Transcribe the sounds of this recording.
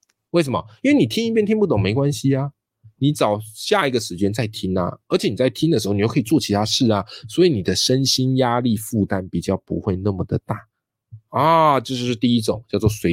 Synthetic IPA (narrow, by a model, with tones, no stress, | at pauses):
we˥˩ɪʂ̬ə˧˦mɐ̰˨˩i˥nwe˥˩ɪni˨˩t̪ʰi˥ni˥˩pjnt̪ʰi˥npu˥˩t̪o˨˩ŋme˧˥ɪkwa˦nɕi˧a˧ | ni˧˥t͡sɑ˨˩ʊɕja˥˩i˧˥ɡə˨ʂɻ̩˧˥t͡ɕjɛ˥nt͡sa˥˩ɪt̪ʰi˥ŋɐ̰˧ə˞˧˥t͡ɕʰɛ˧˦ni˨˩t͡sa˥˩ɪt̪ʰi˥ŋnə˨˩ʂɻ̩˧˥˩ni˨jkʰːi˨˩t͡swɔ˥˨˩t͡ɕʰi˧t̪ʰa˥ʂɻ̩˥˩ɐ˩swɔ˧˥i˧˥ni˨˩d̪ə˦ʂə˦nɕi˥nja˥li˥˧fu˥˨t̪a˦˥npi˨˩t͡ɕjɑ˥˩ʊpṵ˧˦xwe˥˧ɪnə˥˩mə˩d̪ə˩t̪a˥˩ | ɐ˧˩t͡ɕjo˥˧ʊʂɻ̩˥˧ʂɻ̩˥˧t̪i˥˧i˦˥ʈ͡ʂʊ˨˩˦ŋt͡ɕjɑ˥˧t͡swɔ˥˩swe˧˥ɪ